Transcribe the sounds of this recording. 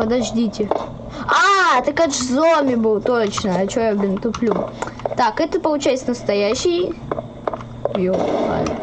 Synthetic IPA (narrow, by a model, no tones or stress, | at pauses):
pəd̪ɐʐdʲitʲɪ | at̪ɨkaʂɨzomʲɪbɨlˠt̪ot͡ɕnəɐt͡ɕojablʲɪnt̪ʊplʲut̪akɛt̪əpəlˠʊt͡ɕæjt̪sənəst̪ɐjæɕːɪj | joa̰